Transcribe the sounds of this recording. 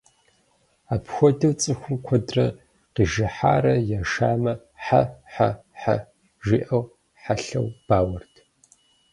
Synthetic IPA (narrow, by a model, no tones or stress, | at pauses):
aːpxʷɔdɨwt͡sʼɨxʷʊmkʷʰɔdrɐ | qiʒɐħaːɾɐjaʃaːmɐ | ħa̰ħa̰ħa̰ | ʒiːʔɐw | ħaɬɐ̰wb̥aːwɐrtʰ